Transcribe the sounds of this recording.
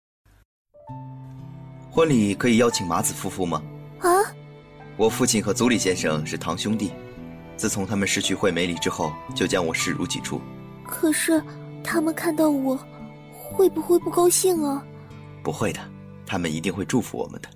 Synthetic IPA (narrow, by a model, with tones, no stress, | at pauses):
xwə˥nli˨˩kʰɤ˧˥i˨˩jɑ˥ʊt͡ɕʰi˨˩ŋma˧˥t͡sɹ̩˨˩fu˥fu˥˩mɐ˩a˧˥ | wɔ˨˩fu˥˧t͡ɕʰi˥˩nxɤ˧˥t͡su˧˥li˨˩ɕjɛ˥nʂɤ˥˩ŋʂɻ̩˥˩t̪ʰɑ˧˥ŋɕjʊ˥ŋt̪i˥˧˩ | t͡sɹ̩˥˩t͡sʰʊ˧˥ŋt̪ʰa˥mə˨nʂɻ̩˥˧t͡ɕʰy˥˧xwe˥˩ɪme˧˥ɪli˨˩ʈ͡ʂɻ̩˥xo˥˩ʊt͡ɕjo˥˧ʊt͡ɕjɑ˥ŋwɔ˨˩ʂɻ̩˥˩ɻu˧˥t͡ɕʰḭ˨˩ʈ͡ʂʰṵ˥˩ | kʰɤ˨˩ʂɻ̩˥˩ | t̪ʰa˥mə˨nkʰa˥˧nt̪ɑ˥˩ʊwɔ˨˩˦ | xwe˥˩ɪpu˩˦xwe˥ɪpu˥˩kɑ˥ʊɕi˥˩ŋɐ˩ | pu˧˥xwe˥˩ɪd̪ə˩ | t̪ʰa˥mə˨ni˧˥t̪i˥˧ŋxwe˥˧ɪʈ͡ʂu˥˩fṵ˧˥wɔ̰˨˩mə̰˦nd̪ə̥˦